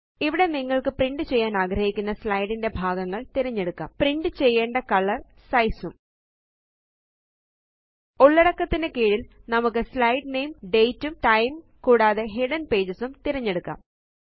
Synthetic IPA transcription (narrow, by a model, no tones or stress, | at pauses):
iʋiɽe̞niŋːɐɭkɨpriɳɖɨt͡ɕe̞jːaːnaːɡɾɐhikʲːunːɐslɐjɽinde̞bʱaːɡɐŋːɐɭt̪iɾɐɲːe̞ɽukːa̰ːmpriɳɖɨt͡ɕe̞jːe̞ːɳɖɐkɐɭːɐr | sɐjsum | oɭːɐɽɐkːɐt̪ːinekeːɻilnɐmukːɨslɐjɖnejmɖe̞jtːumʈɐjm | kuːɽaːðe̞ɦeɽɐnpe̞ːd͡ʑɐsumt̪iɾɐɲːe̞ɽukːa̰ːm